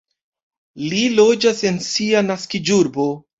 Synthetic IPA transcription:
lilo̞d͡ʒase̞nsianaskid͡ʒuɾbo̞

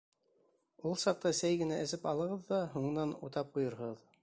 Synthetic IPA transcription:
ulˠsɑq̚t̪ɑsæjɡɘ̆næʔɘ̆sɘpɑlˠɤ̆ʁɤðːɑɦuɴɤ̆nɑnṵt̪ɑp̚qujɤ̆ɾɤð

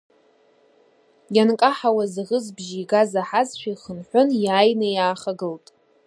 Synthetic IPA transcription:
jankʼaħawazʁəzbʒiiɡazaħazʃʷᶣaiχənħʷʊnjaːjnajaːχaɡɨltʼ

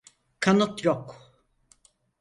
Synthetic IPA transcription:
kʰanɔt̪ɾɔk

